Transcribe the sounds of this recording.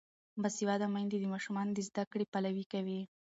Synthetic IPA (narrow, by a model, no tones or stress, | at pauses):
basiwɑd̪amajnd̪ed̪əmɑʃumɑnod̪əzd̪akɽepalawikawi